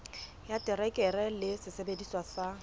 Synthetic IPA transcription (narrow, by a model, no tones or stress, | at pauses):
jatʼɪrɛkʼɛrɛlɪsɪsebediswasa